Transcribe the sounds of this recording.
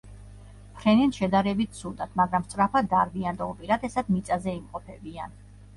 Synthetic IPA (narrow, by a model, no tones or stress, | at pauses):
pʰɾɛnɛnʃɛd̪aɾɛbit̪̚sʰud̪at̪ʰmaɡɾamst̪sʼɾapʰad̪aɾviand̪aupʼiɾat̪ʰɛsad̪mit̪sʼazɛimqʼɔpʰɛbian